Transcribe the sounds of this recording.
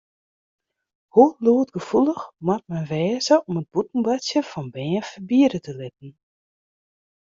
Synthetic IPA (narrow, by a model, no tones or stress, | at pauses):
huluətɡ̥əfulˠəxmɔt̚mɛnʋɛːzəʔɔmət̚b̥utn̩basjəfɔnbɛːfəbiədətəlɪtn̩